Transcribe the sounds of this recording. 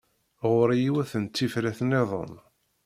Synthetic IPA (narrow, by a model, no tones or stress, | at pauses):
ʁʊɾjiwæθənt̪ːifɾæθneðˤo̰n